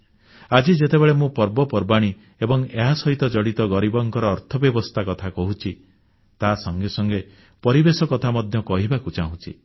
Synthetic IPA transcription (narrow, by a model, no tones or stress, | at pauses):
ad͡ʒid͡ʒet̪ebeɭemũpɔɾbɔpɔɾbaɽ̃i | ebɔŋeɦasɔɦit̪ɔd͡ʒɔɽit̪ɔɡɔɾibɔŋkɔɾɔːɾt̪ʰɔbjɔbɔst̪ʰakɔt̪ʰakɔɦut͡ʃʰi | t̪asɔŋɡesɔŋɡe | pɔɾibesɔkɔt̪ʰamɔd̪ʱjɔkɔɦibakut͡ʃaɦũt͡ʃʰḭ